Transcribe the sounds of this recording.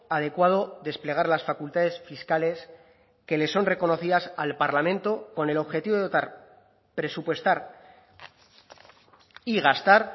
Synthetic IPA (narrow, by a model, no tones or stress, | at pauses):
að̞e̞kwað̞o̞ðe̞sple̞ɣ̞aɾlasfakult̪að̞e̞sfiskale̞s | ke̞le̞sːo̞nre̞ko̞no̞θiðasalpaɾlamẽ̞nt̪o̞ko̞ne̞lo̞βxe̞t̪iβot̪aɾ | pɾe̞supwe̞st̪aɾ | iɣast̪aɾ